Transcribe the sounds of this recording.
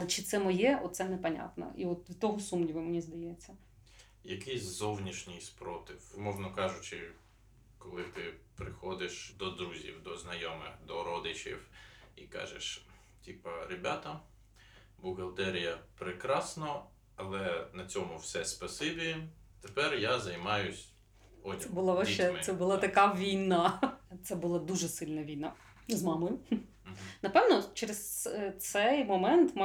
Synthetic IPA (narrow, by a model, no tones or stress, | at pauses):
t͡ʃɪt̪sɛmɔjɛʔɔt̪sɛnɛpɐnʲa̰t̪nɐ̰ʔiɔt̪ʋʲt̪ɔɦɔsumnʲiʋɪmenʲizd̪ɐjɛt͡sʲːɐ | jɐkɪjsʲzɔwnʲiʃnʲɪjspɾɔt̪ɪwmɔʒnɐkɑʒʊt͡ʃɪ | kɔlˠɪt̪ɪpɾɪxɔd̪ɪʃd̪ɔd̪ɾuzʲḭwd̪ɔznɐjɔmɪxd̪ɔɾɔd̪ɪt͡ʃḭwikɑ̰ʒḛʃ | tʲipɐɾɪbʲat̪ɐ | bʊɣɐlˠt̪ɛɾʲijɐpɾɪkɾɑsnɔ | ɐlˠɛnɐt͡sʲɔmʊwsɛspɐsɪbʲit̪epɛrjazɐjmɑjʊsʲ | ɔsɛbʊlˠaʋɐʃɛɛbʊlˠɑt̪ɐkaʋʲijnɑt̪sɛbʊlˠɑd̪uʒɛsɪlʲnɐʋʲijna | zmɑmɔjʊ | nɐpɛwnɔt͡ʃɛɾest̪sɛjmɔmɛnt̪m